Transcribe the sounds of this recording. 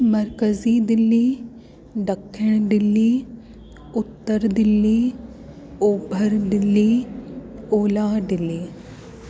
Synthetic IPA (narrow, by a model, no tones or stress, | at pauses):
mɐɾkəzid̪ɪlːiː | ɖəkʰːəɽ̃d̪ɪlːiː | ʊt̪ːəɾd̪ɪlːiː | oːbʱəɾd̪ɪlːiː | oːlaːɖ̪ɪlːiː